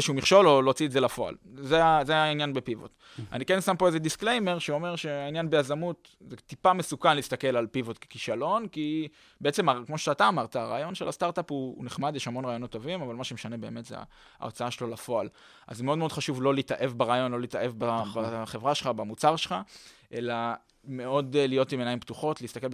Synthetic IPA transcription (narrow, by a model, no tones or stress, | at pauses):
ʃeumiχʃo̞lo̞lot͡sietze̞lafo̞a̰lzeazeainjanbepivo̰t̪ | a̰nikensampo̞eze̞d̪iskle̞jme̞ʁʃeomeʁʃeainjanbejazamut | zet̪ipame̞sukanliːstake̞lalpivot̪ke̥kiʃalo̞nki | beet͡se̞makmoʃeataːt̪aːmaʁt̪aːʁa̰ːjo̞nʃelast̪aʁt̪apṵneχmad̪jeʃhamo̞nʁaːjonot̪ːovimavalmaʃemeʃane̞be̞ːme̞t̪zḛ | a̰o̞t͡saaʃelolafo̞al | ʔa̰zemeodmod̪χaʃuvlo̞liːtaʔe̞vbaʁaːjo̞nlo̞liːt̪aʔe̞vbabaχe̞vʁaʃelχabamut͡saʁʃelχa | ʔe̞la | me̞o̞d̪lijo̞timenajimpt̪uχo̞tlist̪akel